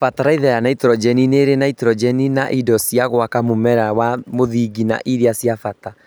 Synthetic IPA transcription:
fataɾaiðajanaitɾɔd͡ʒɛnineɾenaitɾɔd͡ʒɛninaʔidɔsiaɣwakamomɛɾawamoðiɡina̰ʔiɾiasjafata

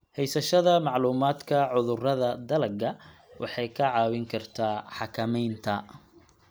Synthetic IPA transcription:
hɛjsɐʃɐðɐmɑʕluːmaːd̪kʰɐʕʊðʊrɐðɐd̪ɐlɐɡɐ | wʔɑ̰ħɑjkʰɐʕɑːwɪŋkʰɐrt̪ʰaːħɑkʰɐmɛjnt̪ʰɐ

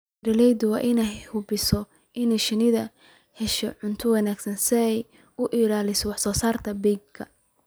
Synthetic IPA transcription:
rɐlɛjd̪wɑ̰ːʔɪnɛjhʊbɪsɔ | ʔɪnɛjʃɪnɪðɐ | hɛʃɔʕʊnt̪ʰʊwɑnaːɡsɐnsɪɛj | ʊʔɪlaːlɪsɔwɑħsɔːsaːrt̪ʰɐbɛjɡkʰːɐ̰

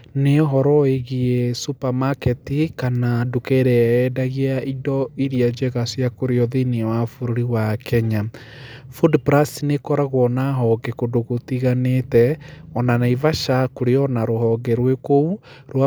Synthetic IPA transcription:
neɔɦɔɾɔeɣiɛsupamakɛtikanadukɛɾɛːdaɣiaidɔiɾiad͡ʒɛɣasjakoɾeɔðiniwafuɾoɾiwakʰɛɲa | fudpɾasinekɔɾaɣwɔnaɦɔɡɛkodoɣotiɣanetɛɔnanaivaʃakoɾeɔnaɾohɔɡɛɾwekouɾwa

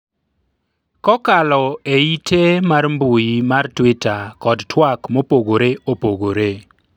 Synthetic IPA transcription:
kɔkalɔeitʰemarmbujimartwɪtakɔdtʰwakmopoɡoɾeʔopoɡoɾe

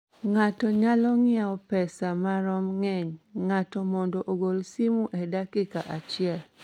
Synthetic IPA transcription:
ŋatɔɲalɔŋɪaɔpɛsamaɾɔmŋɛɲŋatɔmɔndɔʔoɡolsimuʔɛdakɪkaʔat͡ʃɪɛl

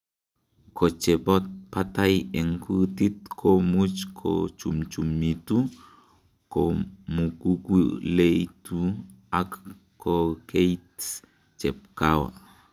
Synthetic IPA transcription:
kʰot͡ʃepot̪̚pat̪ajeŋkut̪it̪̚kʰomut͡ʃkʰo̰t͡ʃumt͡ʃumːit̪u | komukukulejt̪u | ak | kokejt̪ | t͡ʃep̚kawa̰

